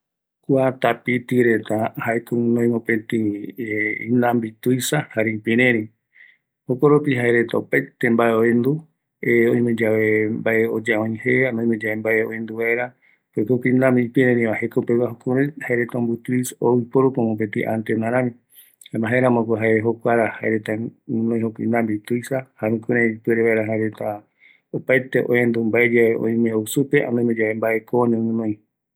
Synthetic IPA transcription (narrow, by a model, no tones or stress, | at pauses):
kʷat̪apit̪iɾet̪ahaekunõĩmõpẽt̪i | ĩnlãmbit̪ujsahaɾipĩɾẽɾĩ | hokoɾopiɦaeɾet̪apet̪ẽmbaeoend̪u | eõj̃mẽd͡ʒaʋembaʔeod͡ʒaõĩheanõĩmẽd͡ʒaβembaʔeoẽnd̪uβaeɾa | pokokĩnd̪ãmipiɾẽnĩβahekaupekaɦokũɾɨhaeɾet̪aombut̪isowipoɾukõmõp̬et̪ḭʔa̰nt̪enãɾãmĩ | hamaɦeeɾãmõkʷoɦaeɾeɦokʷaɾahaeɾet̪amɨ̃nõj̃ɦokḭ̃nd̪ambit̪ujsahaɾũkuɾẽipɨeɾeβaeɾaɦaeɾet̪a | opajt̪eʔõ̰ɲẽnd̪umbaed͡ʒaeõ̰j̃mẽowsupeʔa̰nõĩmẽd͡ʒaβembaʔe̞kõɲẽmɨ̃nõĩ